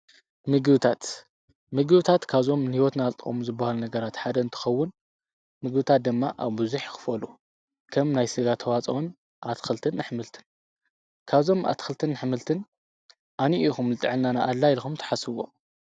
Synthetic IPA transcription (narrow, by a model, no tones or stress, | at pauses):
mɨɡɨβɨt̪ʰat̪ | mɨɡɨβɨt̪ʰat̪kʰaβzo̞mnɨhiwɔt̪nalt̪ʼɨxʼo̰muzɨbːahalunɐɡɐɾat̪ħad̪ɐɨnt̪ʰɨ̥xɐwːʊn | mɨɡbɨt̪ʰat̪̚d̪ɨmːaʔaβbɨzuħkɨ̥fɐlu | kʰɐmnajsɨɡat̪ʰɐwat͡sʼɐwon | ʔat̪ʰɨxɨlt̪ʰɨnːɨħmɨlt̪ʰɨ̥n | kʰaβzo̞mʔa̰t̪xɨlt̪ʰɨnːɨħmɨlt̪ʰɨn | ʔaniʔixumlɨt̪ʼɨʕɨlnanaʔalːajlxumt̪ʰɐ̥ħasɨwo̞̰